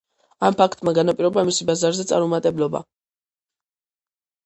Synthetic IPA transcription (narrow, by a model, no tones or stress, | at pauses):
ampʰakʰt̪ʼmaɡanapʼiɾɔbamisibazaɾzɛt̪sʼaɾumat̪ʼɛblɔba̰